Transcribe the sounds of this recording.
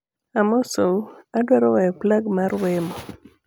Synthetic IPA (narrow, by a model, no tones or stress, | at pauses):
amɔsoadwaɾɔwɛjɔplaɡmaɾwɛmɔ